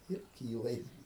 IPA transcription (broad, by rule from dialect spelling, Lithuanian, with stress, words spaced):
ɪr ˈkʲiːlˠɐ jɪs